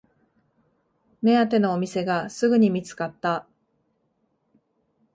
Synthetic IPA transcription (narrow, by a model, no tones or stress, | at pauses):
me̞at̪e̞no̞ːmʲise̞ɡasɨɡɯ̟ɲ̟imʲit͡sɨ̥kat̪ːa